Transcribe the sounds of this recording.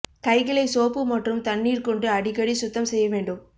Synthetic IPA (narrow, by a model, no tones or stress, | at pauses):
kɐɪɣɐɭɐɪsoːpːɯmɐʈrɯmt̪ɐɳːiːɾkɔɳɖɯɐɽɪɣɐɽisʊt̪ːɐmsɛjːɐʋeːɳɖɯm